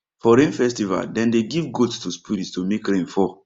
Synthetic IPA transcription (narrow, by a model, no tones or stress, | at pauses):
fɔɾẽnfɛstiva̰ldɛ̃ndeɡivɡotstuspiɾitstomekɾẽnfɔ